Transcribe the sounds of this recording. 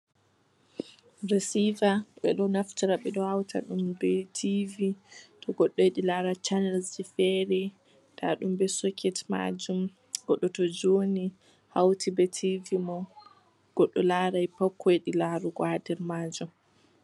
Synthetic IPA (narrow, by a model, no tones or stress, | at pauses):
ɾesivaɓɛ̰ɗɔnaftiɾaɓɛɗɔhawtʰa̰ɗumbɛtʰivitɔɡɔɗːɔjɗilaɾat͡ʃanɛlsifɛɾɛ | tʰa̰ɗumbɛsɔkʰɛtma̰d͡ʒum | ɡ̥ɔɗːɔtɔd͡ʒoni | hawtʰibɛtʰivimɔ | ɡ̥ɔɗːɔlaːɾajpɔkʰːɔɗilaɾuɡwadɛɾmaːd͡ʒum